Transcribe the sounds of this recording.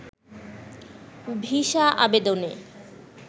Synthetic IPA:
bʱiʃaʔa̰bed̪one

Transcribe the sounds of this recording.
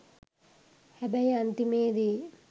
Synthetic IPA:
hæbæiant̪imeːd̪e

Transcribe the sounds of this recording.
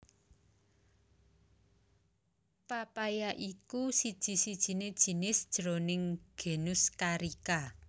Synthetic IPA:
papajaʔikusid̥ʒ̥i̤sid̥ʒ̥i̤ned̥ʒ̥i̤nɪsd̥ʒ̥ɾonɪŋɡ̥e̤nʊskaɾika

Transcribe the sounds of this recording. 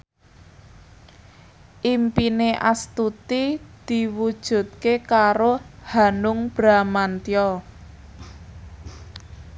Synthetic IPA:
ʔimpineʔa̰st̪ut̪id̪̥i̤wud̥ʒ̥ṳt̪̚kekaɾohanʊŋb̥ɾamant̪ijɔ

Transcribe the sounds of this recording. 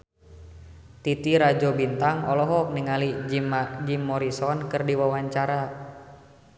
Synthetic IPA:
t̪it̪iɾad͡ʒɔbint̪aŋɔlɔɦɔk̚niŋalimad͡ʒimːɔɾisɔnkɨrdiwawaɲt͡ʃaɾa

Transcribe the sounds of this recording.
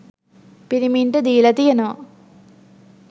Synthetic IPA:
piɾimiɳʈəd̪iːlɐt̪ijɐnoʋɐ̰

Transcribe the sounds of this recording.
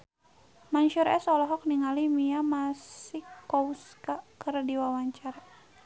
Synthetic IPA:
maɲʃuɾɛ̰sɔlɔɦɔk̚niŋalimiamasikːɔuskakərdiwawaɲt͡ʃaɾa

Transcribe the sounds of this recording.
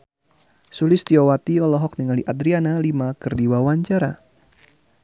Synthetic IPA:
sulɪst̪iɔwat̪iɔlɔɦɔk̚niŋaliʔad̪ɾianalimakɨrdiwawaɲt͡ʃaɾa̰

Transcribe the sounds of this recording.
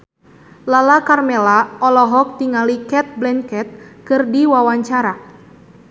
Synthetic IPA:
lalakarmɛlaɔlɔɦɔk̚t̪iŋalikɛt̪̚blɛŋkɛt̪̚kɨrdiwawaɲt͡ʃaɾa

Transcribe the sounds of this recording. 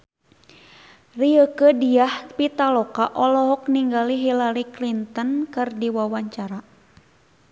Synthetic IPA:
riəkədiahpit̪alɔkaʔɔlɔɦɔk̚niŋɡaliɦilaɾiklint̪ənkɨrdiwawaɲt͡ʃaɾa

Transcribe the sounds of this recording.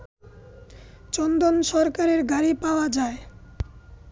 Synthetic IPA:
t͡ɕɔnd̪onʃɔɾkaɾeɾɡaɾipaoad͡ʑae

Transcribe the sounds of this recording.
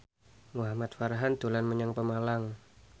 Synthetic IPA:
muɦamat̪̚faɾɦand̪̥o̤lanməɲaŋpəmalaŋ

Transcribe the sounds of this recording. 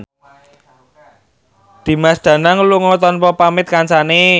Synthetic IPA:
d̪̥i̤masd̪̥ä̤naŋluŋɔt̪ɔnpɔpamɪt̪̚kant͡ʃane

